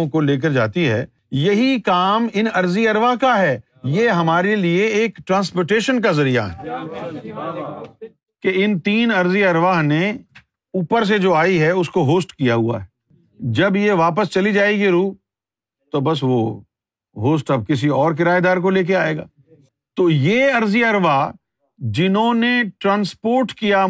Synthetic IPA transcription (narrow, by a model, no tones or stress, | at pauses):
koleːk̬əɾd͡ʒa̰ːt̪iɦɛ̰ː | jɐɦikaːmɪnɐɾziɐɾʋaɦkaɦɛː | jeɦɐmaːɾelieeːkʈɾãːnspoːʈeːʃənk̬azɐɾija̰ɦɛ̰ː | keɪnt̪iːnɐɾziɐɾʋaɦne | uːpəɾs̬ed͡ʒoːaːiɦɛʊskoɦoːsʈkijaɦua̰ɦɛ | d͡ʒɐbjeʋaːp̬əst͡ʃɐlid͡ʒaːeɡiɾuː | t̪obɐs̬ʋo | ɦoːs̬ʈɐb̚kɪs̬iɔːɾk̬ɪɾaːed̪aːɾk̬oleːk̬eaːeːɡa̰ː | t̪oːjeːɐɾziɐɾʋa | d͡ʒɪnɦõneʈɾãːnspoːɾʈkija